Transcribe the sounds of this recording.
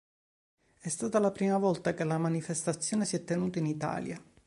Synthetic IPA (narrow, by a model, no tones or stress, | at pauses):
ɛst̪aːt̪alapɾiːmavɔlt̪akelamanifest̪at̪sːjoːnesiɛt̪ːenuːt̪ainit̪a̰ːlja